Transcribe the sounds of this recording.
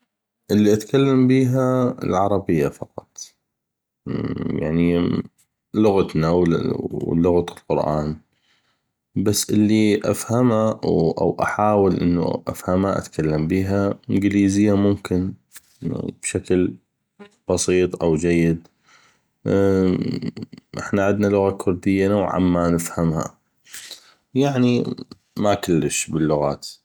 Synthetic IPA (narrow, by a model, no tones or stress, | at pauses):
ʔɪlːiʔat̪kalːambiːɦaɪ̰lʕɑɾˤɑbɪjːafɑqɑt̪ˤ | ja̰ʕni | lʊɣat̪naw | lʊɣt̪ɪlqʊɾʔa̰ːn | basːʔɪlːiʔa̰fhamawʔa̰wʔa̰ħaːwɪlʔɪ̰nːṵʔa̰fhamaʔa̰t̪kʰalːambiːɦaʔɪnɡɪliːzɪjːamʊmkɪn | b̥ʃakl | b̥ɑsiːt̪ˤʔawd͡ʒajːɪd̪ | ʔɪ̰ħnaʕɪd̪nalʊɣakʰʊɾd̪ɪjːanowʕʕa̰mːanəfhamha̰ | jaʕni | makʊlːəʃbɪlːʊɣaːt̪